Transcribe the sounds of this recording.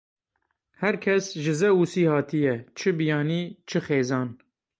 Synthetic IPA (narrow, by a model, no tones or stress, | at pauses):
hɛɾkʰɛsʒɨzɛusiːhɑːt̪ʰijɛt͡ʃʰɨbijɑːniːt͡ʃʰɨxeːzɑːn